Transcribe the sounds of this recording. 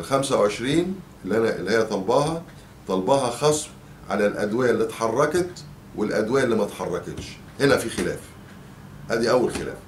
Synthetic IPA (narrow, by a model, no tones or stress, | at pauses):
lxæmsæwʕeʃɾiːn | elːʔænæʔlːihejːæt̪ˤɑlbɑːhɑ | t̪ˤɑlbɑːɦɑxɑːsˤ | ʕa̰lælʔæ̰d̪wæːjælːit̪ħɑrˤːɑkɑt̪ | welʔæd̪wæːʔælːiːmæt̪ħɑrˤːɑket̪ʃ | henæfixelæ̰ːf | ʔæːd̪iʔæwːælxelæ̰ːf